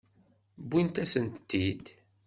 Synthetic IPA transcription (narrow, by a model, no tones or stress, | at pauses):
bːint̪æsənt̪ːid̪